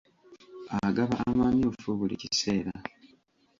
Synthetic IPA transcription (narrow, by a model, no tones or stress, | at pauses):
aɡaβaʔːmaːmiofuβulḭcise̞ːɾa